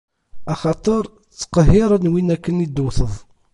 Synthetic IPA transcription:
ɑχɑt̪ˤəɾˤ | t͡sːə̥qəɦːɪɾˤənwinækːənid̪uθəðˤ

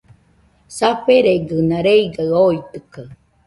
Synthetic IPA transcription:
saɸeɾeɡɨnaɾeiɡaɯoit̪ɯka

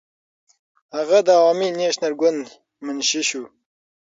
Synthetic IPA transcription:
haɣad̪əawɑmineʃnalɡʊnd̪ | mənʃiʃu

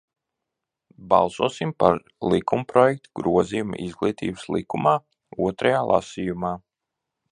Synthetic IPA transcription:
bɑ̰lˠsuɔsimpaɾ | lˠikumpɾɔjɛk̚t̪uɡɾuɔzijuma̰ʔizɡlˠiːt̪ḭːbəslˠikumaː | uɔt̪ɾajaːlˠʔa̰siːjumaː

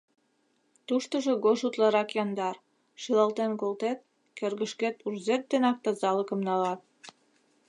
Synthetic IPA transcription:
t̪uʃt̪əʒe̽ɣoʃut̪lɑɾɑkjɑnd̪ɑr | ʃilɑlt̪enkolt̪et̪̚ | kerɣəʃket̪urzet̪̚d̪enɑk̚t̪ɑzɑləkə̆mnɑlɑt̪̚

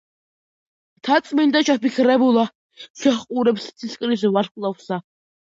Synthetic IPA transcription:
t̪ʰat̪sʼmind̪at͡ʃʰapikʰɾɛbulˠa | ʃɛχqʼuɾɛpst̪sʰiskʼɾis̬vaɾkʼlˠafsa

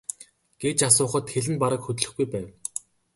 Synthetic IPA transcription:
ɡ̥et͡ɕas̬ʊːχə̆t̪xeɮɘ̆npaɾə̆kxɵt̪̆ɮɵ̆xɡujpæːw

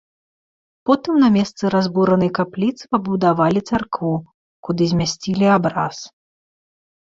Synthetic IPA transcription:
pɔt̪ɨmnɐmʲɛst̪sɨɾazbuɾɐnɐjkaplʲit̪sɨ̥pɐbud̪avalʲit̪sarkvu | kud̪ɨzʲmʲasʲt͡sʲilʲiabɾa̰s

